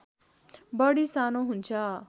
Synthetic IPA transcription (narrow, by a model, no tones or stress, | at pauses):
bʌɽisanoɦunt͡sʰʌ